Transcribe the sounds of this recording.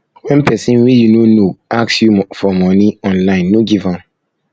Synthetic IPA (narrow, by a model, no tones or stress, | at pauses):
wɛ̃npʰɛsĩnwijunonoaksjufɔmɔ̃niɔ̃nlãɪ̃nːoɡivãn